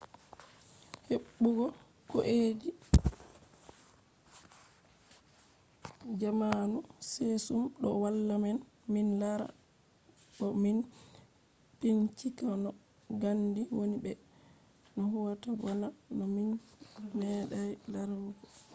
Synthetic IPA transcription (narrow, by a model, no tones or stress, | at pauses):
heɓːuɡɔ | kɔʔedi | d͡ʒamanusesumɗɔwalːamɛn | minlaɾa̰ | ɓɔmin | pint͡ʃikanɔ | ɡandiwonibɛ | nɔɦuwatabalanɔminmɛɗajlaɾaw